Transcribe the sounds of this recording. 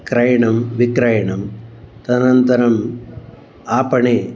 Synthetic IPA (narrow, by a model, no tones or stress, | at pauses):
kɾɐjɐɳɐmʋikɾɐjɐɳɐmt̪ɐɐnɐnt̪ɐɾɐm | aːpɐɳeː